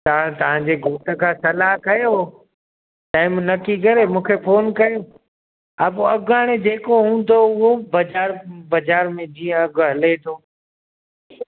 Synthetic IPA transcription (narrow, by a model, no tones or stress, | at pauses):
t̪aat̪ɐʋ̤ãɲd͡ʑeɡʱoːʈəkʰãːsɐlaɦkɐjo | ʈaːɪmnɐkikɐɾemũːkʰefʰoːnkɐjo | ɐbɐɡaːɽ̃ed͡ʑeːkoɦũːn̆d̪oʊɦobɐd͡ʑaːɾbɐd͡ʑaːɾmẽd͡ʑiːə̃ɐɡɦɐlet̪ʰoː